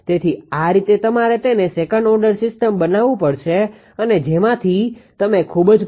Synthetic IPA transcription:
t̪et̪ʰiaɾit̪et̪əmaɾet̪enesekəɳɖɔɾɖəɾsɪsʈəmbənaʋũpəɽʃe | əned͡ʒemãt̪ʰit̪əmekʰubd͡ʒ

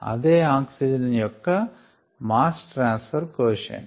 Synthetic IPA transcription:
ɐ̰d̪eːaːksid͡ʒɐnjɔkːɐ | maːsʈɾaːnsfɐɾkoːʃɐ̰n

